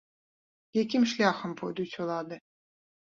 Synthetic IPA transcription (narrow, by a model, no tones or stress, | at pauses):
jekʲimʃlʲɑxə̆mpʰod̪ut͡ɕʰolˠɑd̪ɨ̆